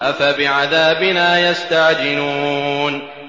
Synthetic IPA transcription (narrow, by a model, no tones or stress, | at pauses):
ʔafabɪʕaðaːbɪnaːjast̪aʕd͡ʒɪnuːn